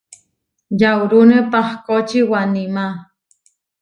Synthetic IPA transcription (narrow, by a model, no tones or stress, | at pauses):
jawɾunepahkot͡ʃiwanima